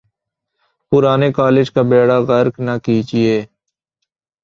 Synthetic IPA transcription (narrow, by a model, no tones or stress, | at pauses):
pʊɾaːnekaːlɪd͡ʒkabeːɽaɣəɾknakiːd͡ʒieː